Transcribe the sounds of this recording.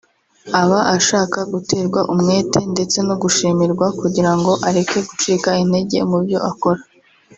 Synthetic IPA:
aβaʔaʃaːkaɡute̞ːɾɡwaʔumŋe̞ːtʰe̞nde̞t͡se̞noɡuʃiːmiɾɡwakuɟiɾaŋɡo̞ʔaɾe̞ke̞ɡut͡ʃiːkainde̞ɟe̞̰mubjo̞̰ʔako̞ɾa

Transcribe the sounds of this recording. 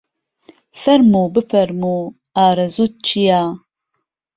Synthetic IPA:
fɐɾmuːbɨfɐɾmu | aːɾɐzuːt̪̚t͡ʃʰijaː

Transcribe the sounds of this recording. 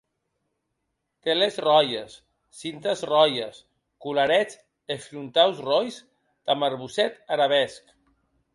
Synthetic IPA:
t̪elezrɔjesː | int̪əzrɔjas | kulaɾɛt͡s | efɾunt̪awzrojz | d̪̥amaɾβusɛt̪aɾaβɛsk

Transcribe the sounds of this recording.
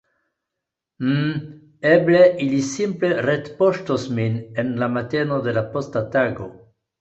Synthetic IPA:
m̩ | ebleʔilisimpleret̪poʃtosminenlamat̪enod̪elapost̪at̪aɡo̰

